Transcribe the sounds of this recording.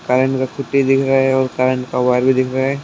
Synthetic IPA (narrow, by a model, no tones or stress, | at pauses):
kaːɾə̃ɳʈkakʰʊʈːid̪ɪkʰɾɐɛɔːɾkaːɾəɳʈkawaɪɾbʱid̪ɪkʰɾɐɛː